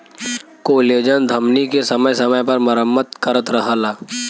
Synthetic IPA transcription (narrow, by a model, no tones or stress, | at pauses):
koːleːd͡ʒənd̪ʱɐmnikesɐməjsɐməjpɐɾmɐɾəmːət̪kɐɾət̪ɾɐɦaːlaː